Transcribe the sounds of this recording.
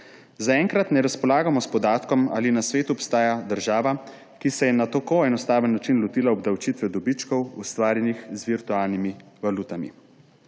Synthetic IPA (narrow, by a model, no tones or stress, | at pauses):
zaɛŋkɾat̪nɛɾaspɔlaːɡamɔspɔd̪aːt̪kɔma̰ːlinasʋeːt̪uɔpst̪aːjad̪əɾʒaːʋa | kisɛjɛnat̪okoɛnɔst̪aːʋənːat͡ʃinlɔt̪iːlaɔbd̪awt͡ʃiːt̪ʋɛd̪ɔbit͡ʃkɔwust̪ʋaːɾjɛnixzʋiɾt̪uaːlnimiʋaluːt̪amḭ